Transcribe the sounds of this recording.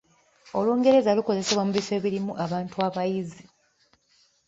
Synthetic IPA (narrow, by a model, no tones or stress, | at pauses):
o̞luːŋɡe̞ɾe̞zaluko̞ze̞seβwamuβife̞ːβiɾimuʔaβaːntuaβajizi